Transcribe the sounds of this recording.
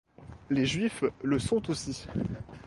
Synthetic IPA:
leʒɥifləsɔ̃t̪osi

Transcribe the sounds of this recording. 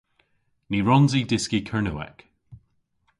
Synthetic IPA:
niɹɔnzidɪskikʰəɹnəwɛ̰k

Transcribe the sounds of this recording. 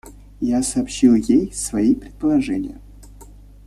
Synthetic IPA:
jasɐːpɕilˠjejsvɐipɾʲɪt̪̚pəlˠɐʐɛnʲɪ̰jə̰

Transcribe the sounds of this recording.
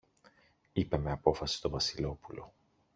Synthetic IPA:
ipe̞me̞ɐpo̞fɐsi̥st̪o̞vɐsilo̞pulo̞̰

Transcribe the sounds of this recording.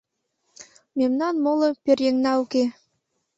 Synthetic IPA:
memnɑnmolɤ̆pʲerjeŋnɑuke

